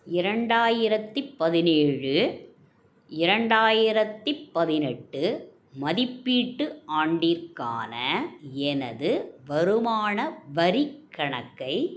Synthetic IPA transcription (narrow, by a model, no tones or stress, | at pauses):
ɪɾɐɳɖaːjɪɾɐt̪ːipːɐðɪneːɻɯ | ɪɾɐɳɖaːjɪɾɐt̪ːipːɐðɪnɛʈːɯ | mɐðɪpːiːʈːɯʔaːɳɖiɾka̰ːnɐɛnɐ̰ðɯʋɐɾɯmaːɳɐʋɐɾikʰːɐɳɐkːɐɪ